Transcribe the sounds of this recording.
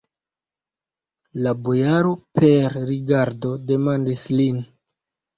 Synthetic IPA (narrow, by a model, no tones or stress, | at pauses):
labo̞jaɾo̞pʰe̞ɾɾiɡaɾdo̞de̞mandislin